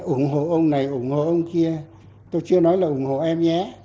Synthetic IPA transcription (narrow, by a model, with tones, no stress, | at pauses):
ʔʊ˧˩ŋ͡mɦo̰˧˨ʔə˧wŋ͡mna˨˩jʔʊ˨˧˩ŋ͡mŋho̰˧˨ʔə˧wŋ͡mki˧ə | t̪o˧jt͡ɕɨ˧ənɔ˨˦jlaː˨˩ʔʊ˨˧˩ŋ͡mho̰˧˨ʔɛ˧mɲɛ˨˦